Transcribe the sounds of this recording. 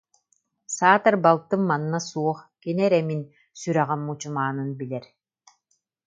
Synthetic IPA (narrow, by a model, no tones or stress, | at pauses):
saːt̪ɐɾbalˠt̪ɯmːanːasuɔχkinɛɾɛmin | syɾɛʁɛmut͡ɕumaːnɯnbilɛɾ